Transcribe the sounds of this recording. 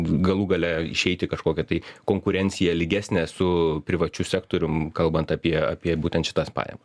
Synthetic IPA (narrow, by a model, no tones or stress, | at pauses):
ɡɐlˠuɡɐlʲɛɪ̰ʃʲɛɪt̪ʲɪkɐʃkoːkʲɛt̪ɐɪkoːŋkʊɾʲɛnʲt̪sʲɪjɛlʲɪɡʲæːsʲnʲɛsʊpʲɾʲɪʋɐt͡ʃʲʊsʲæːkt̪oːɾʲʊmkɐlˠbɐnt̪ɑpʲiɛa̰ːpʲiɛbuːt̪ʲɛnt̪ʃʲɪt̪ɑspɑ̰ːjɛ̰mɐs